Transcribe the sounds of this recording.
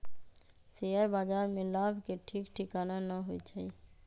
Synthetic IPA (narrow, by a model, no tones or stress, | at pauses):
sejəɾbaːd͡ʒaːɾmẽlaːbʱkeʈʰikʈʰikananəɦoit͡ʃʰəi